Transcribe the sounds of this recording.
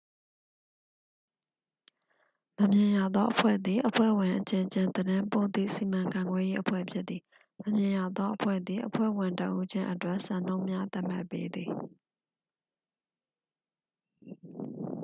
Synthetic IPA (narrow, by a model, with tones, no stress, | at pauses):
mə˨mjɪ̃˨ja˨d̪ðɔ˦ʔəpʰwɛ̰˦˨d̪ði˨ʔəpʰwɛ̰˦˨wɪ̃˨ʔət͡ɕɪ̃˨t͡ɕɪ̃˨nd̪əɾɪ̃˦mpõ˦˨t̪ḭ˦˨si˨mã˨ŋkʰã˨ŋɡwɛ˦je˦ʔəpʰwɛ̰˦˨pʰjɪ˦t̪̚t̪ːi˨ | mə˨mjɪ̃˨ja˨d̪ɔ˦ʔəpʰwɛ̰˦˨d̪ði˨ʔəpʰwɛ̰˦˨wɪ̃˨ntə̰˨ʔu˦d͡ʑɪ̃˦ʔətwɛ˦ʔsã˨n̥õ˦ʊ̃mja˦t̪a˦ʔm̥a̰˦˨pːḛ˦d̪ði˨